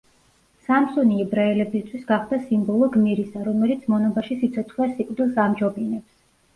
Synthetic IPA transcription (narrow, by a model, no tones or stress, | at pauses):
samsɔniɛbɾaɛlɛbist̪ʰwisɡaχd̪asimbɔlˠɔɡmiɾisaɾɔmɛlit̪sʰmɔnɔbaʃisit̪sʰɔt̪ʰχwɛsikʼɾd̪ilˠsamd͡ʒɔbinɛps